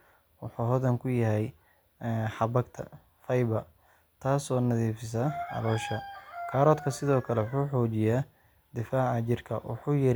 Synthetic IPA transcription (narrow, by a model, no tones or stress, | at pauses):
wʊħuːɦɔðɐŋkʰʊjɐɦɛj | ħɑbɐɡt̪ʰɐ̰ | fɐjβɐ | t̪ʰaːsɔːnɐðiːfɪsɐɐ̰lɔːʃɐkʰaːɾɔːd̪kʰɐsɪðɔːkʰɐlɛwʊħuːħɔːt͡ʃɪjaː | d̪ɪfaːʕat͡ʃɪrkʰɐ̰wʊ̰ħuːjɪɾ